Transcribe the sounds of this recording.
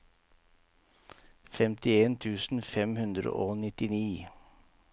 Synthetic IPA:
fɛmt̪ɪeːnt̪ʰʉːsn̩fɛmhʉnd̪ɾə̰ʔoːnɪt̪ɪniː

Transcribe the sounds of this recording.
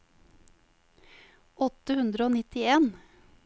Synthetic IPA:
ɔt̪əhʉnd̪ɾəoːnɪt̪ɪeːn

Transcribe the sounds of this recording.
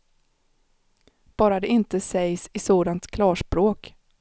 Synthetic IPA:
b̥ɑːɾad̪ɛɪnt̪əsɛjsɪsoːd̪ant̪kʰlɑːʂpɾoːk

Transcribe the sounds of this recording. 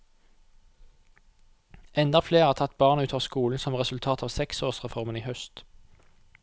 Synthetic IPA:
ɛnd̪ɑfleːʁæːʁt̪ʰɑt̪̚bɑːʁnʉːt̪ʰoːʋskuːln̩sɔmʁɛsʉlt̪ʰɑːt̪ʰɑːʋsɛksoːʁsʁɛfɔʁməniːhœst̪

